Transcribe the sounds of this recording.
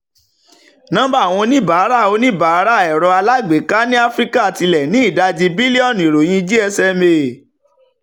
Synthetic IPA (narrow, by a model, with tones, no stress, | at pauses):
nã˨˦ba˦˨w̃ɔ̃˧nĩ˦ba˨˦ɾa˦˨o˧nĩ˦˨ba˨˦ɾa˦˨ɛ˨ɾɔ˧a˧la˦ɡ͡be˨˦ka˦nĩ˦a˦fɾi˦ka˦˨ti˧lɛ˨nĩ˨˦i˦˨da˧d͡ʒi˧bi˦li˦ɔ˦˨nĩ˨ɾo˨j̃ĩ˧d͡ʒi˦ɛ˧sɛ˧me˧˨